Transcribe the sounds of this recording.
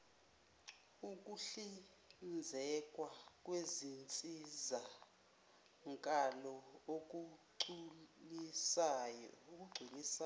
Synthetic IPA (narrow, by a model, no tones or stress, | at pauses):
ukʼuɬi | nd͡zʱɛkʼwakʼwezint͡sʼiza | ŋkʼalɔok̬ʼuǀulisajok̬ʼuɡ͡ǀʱinisa